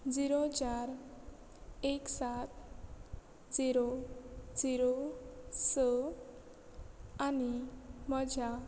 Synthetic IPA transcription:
d͡ziɾod͡ʑaɾ | eksat̪ | d͡ziɾod͡ziɾosə | animəd͡ʑʱa

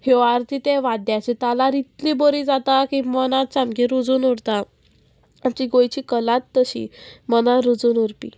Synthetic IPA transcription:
heaɾt̪it̪eʋad̪jat͡ɕit̪alaɾit̪liboɾiːd͡zat̪akimənat̪̚t͡samɡiɾud͡zuːnuɽt̪a | amt͡ɕiɡojt͡ɕiːkəlat̪ːəɕḭmənaɾud͡zuːnuɾpḭ

